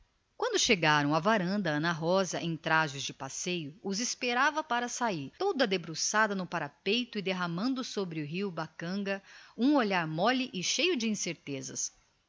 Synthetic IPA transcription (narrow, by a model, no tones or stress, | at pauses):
kwɐ̃nd̪ʊʃeɡaɾɐ̃w̃ɐvaɾɐ̃nd̪ɐɐ̃nɐɦɔzɐʔẽt̪ɾaʒɪzd͡ʒɪpasejʊʊzɪspeɾavɐpaɾɐsaiɾt̪od̪ɐd̪ebɾosad̪ɐnʊpaɾapejt̪ʊɪd̪eɦɐmɐ̃nd̪ʊsobɾɪʊɦiwbakɐ̃ɡɐũoʎaɾmɔlɪʔɪʃejʊd͡ʒɪĩseɾt̪ezɐs